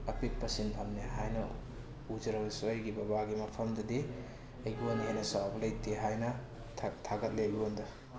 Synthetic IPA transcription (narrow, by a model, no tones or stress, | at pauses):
ɐpit̚pɐsinɐmneɦajnɐ | ud͡ʒɐɾɐbisajɡibɐbaɡimɐpʰɐmdɐdi | ɐjɡiondɐɦajnɐsawbɐlɐjteɦajnɐ | tʰaɡɐt̚lejbiond̪ɐ